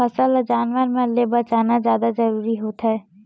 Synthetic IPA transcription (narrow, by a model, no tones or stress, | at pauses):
ɐsəld͡ʒaːnʋəɾmeə̃lebɐt͡ʃaːnazjaːd̪azɐɾuːɾiɦoːt̪ɦɛː